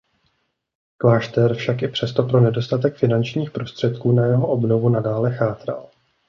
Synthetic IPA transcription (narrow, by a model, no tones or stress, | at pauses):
klaːʃt̪ɛɾfʃakʔɪpr̝̥ɛst̪o̞pɾo̞nɛdo̞st̪at̪ɛkfɪnant͡ʃɲiːxpɾo̞st̪r̥ɛt̪kuːnajɛɦo̞ʔobno̞vunadaːlɛxaːt̪ɾa̰l